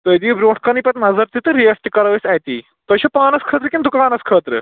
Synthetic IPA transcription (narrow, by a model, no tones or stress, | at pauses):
t̪ojd̪ibɾoːʈʰkɐnipɐt̪nɐzɐɾt̪it̪ɨɾijɐsʈikɐɾɐʋɐsajt̪iː | t̪ɐɕɐpaːnɐskʰəːt̪ɾɨkʲĩnd̪ukaːnɐskʰəːt̪ɾɨ̰